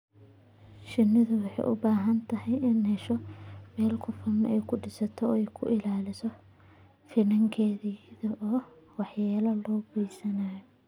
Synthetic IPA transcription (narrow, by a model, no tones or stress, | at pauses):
ʃɪnːɪðʊwɑħɑ̰jʔʊ̰baːɦɐnt̪ʰɐɦɛjɪnhɛʃɔmɛːlkʰʊfɐmɛjkʰʊɖɪsɐt̪ʰɔɛjkʰʊ̰ʔɪlaːlɪsɔ | fɪnɐŋkʰɛːðiðɐʔɔː | wɑħjaːlɐlɔːbɛjsɐnaːjɔ